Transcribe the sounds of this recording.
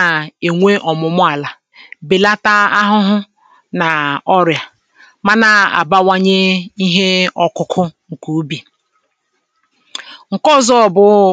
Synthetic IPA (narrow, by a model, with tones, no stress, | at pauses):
e˨ŋʷe˦ʔɔ˨mʊ˨mʊ˦a˨la˨ | be˨la˦ta˦a˦ɦʊ˦ɦʊ˦ | na˨ɔ˦ɾja˨ | ma˦na˨a̰˨ba˦wa˦ɲe˦i˦ɦe˦ɔ˦kʊ˦kʰʊ˦ŋ̩˨ku˨˦bi˨ | ŋ̩˨kɔ˦zɔ˦˨bʊ˦